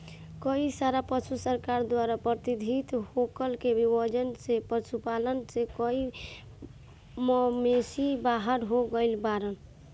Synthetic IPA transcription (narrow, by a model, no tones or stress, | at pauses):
kəisaɾapət͡ʃʰusəɾkaɾd̪waɾapɾət̪id̪ʱit̪hokəlkebibəd͡ʒənsepəɾt͡ʃʰupalənsekəi | məmesibaɦəɾɦoɡəɪlbaɾən